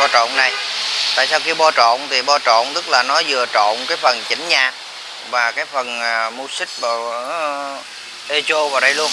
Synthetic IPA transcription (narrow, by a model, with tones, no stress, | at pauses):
ɔ˧t͡ɕo̰˧˨nna˨˩jt̪a̰ː˧˨jsaː˧wki˧ɓɔ˧t͡ɕɔ̰˧˨nt̪ʰi˨˩ɓɔ˧t͡ɕɔ̰˧˨nt̪ɨ˦˥k̚laː˨˩nɔ˨˦zɨ˨˩ət͡ɕo̰˧˨nkaː˨˦jfə˨˩nt͡ɕï˨˦ŋ̟ɲaː˨˩ | vaː˨˩kaː˨˦jfə˨˩nː˨˩mu˧sï˦˥k̚vaː˨˩˨ | ʔe˧t͡ɕo˧vaː˨˩wɗə˧jlu˧ən